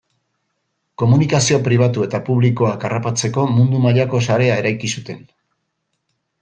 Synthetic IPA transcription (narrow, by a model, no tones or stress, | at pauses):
ko̞munikasio̞pɾiβ̞at̪ue̞t̪apuβ̞likoakarapat͡se̞ko̞mund̪umaʎako̞saɾe̞ae̞ɾajkisut̪e̞n